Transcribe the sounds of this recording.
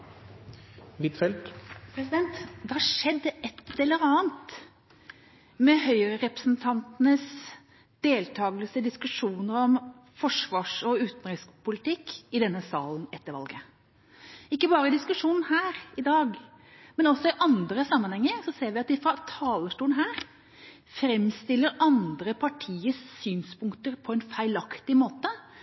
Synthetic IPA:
ʋɪt̪fɛlt̪pʰɾɛsɪd̪ɛnt̪d̪ɛhɑʂɛd̪ːəʔɛt̪ʰːɛlːəɾɑːənt̪ | mɛɦœʏəɾəɾɛpɾəsnt̪ʰɑnt̪ənəs | d̪eːlt̪ʰɑːɡəlsəd̪ɪskʉʂuːnəɾɔm | fɔʂʋɑːʂɔʉːt̪nɾɪspʰʊlɪt̪ɪkːɪd̪ɛnːəsɑːln̩ɛt̪ːəɾʋɑ̰lɡə | ɪkːəbɑːɾəɪd̪ɪskʉʂuːnn̩hæːɾɪd̪ɑːɡ | mɛnɔsːɔɪʔɑnd̪ɾəsɑmːənhɛŋːəɾsɔseːɾʋɪɑt̪̚d̪ɪfɾɑt̪ʰɑːləʂʈuːənɦæːɾ | fɾɛmst̪ɪlːəɾʔɑnd̪ɾəpʰɑʈʰiːəssyːnspʊŋkt̪əɾpʰɔɛnfæɪlɑkt̪ɪmoːt̪ə

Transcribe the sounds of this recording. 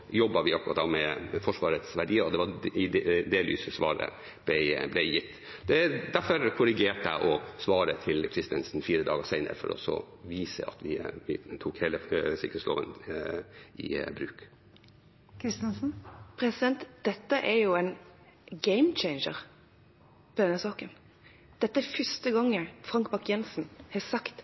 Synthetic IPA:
jɔbːɑʋɪɑpkːʉɾɑt̪d̪ɑmɛfɔʂʋɑːɾət̪sʋæɖiːəɾɔd̪ɛʋɑɪd̪eːlʋḭːsəsʋɑ̰ːɾə̰ | b̥̪ɛɪblæɪjɪt̪ː | d̪ɛd̪æɾfɔɾkʰʊɾɪɡeːʈəʔɔsʋɑːɾət̪ʰɪlkʰɾɪst̪ənsn̩fiːɾəd̪ɑːɡəsæɪnə̰ɾfɔ̰ɾɔ̰sɔ̰ | ʋiːsə̰ɑ̰t̪ʋɪʋɪ̰t̪ʰuːkheːləsɪkɾəslo̰ːʋə̰n | ʔɪ̰bɾʉːk | kʰɾɪst̪ɛnsn̩pʰɾɛsɪd̪ɛnt̪d̪̥ɛt̪ːəʔɛɾjʊɛnɡeɪmt͡ʃɛɪnʃəɾ | pʰɔd̪ɛnːəsɑːkən | d̪̥ɛt̪ːəæfʏst̪əɡɑŋːəfɾɑŋkbɑkjɛnsn̩hɛsɑkt̪

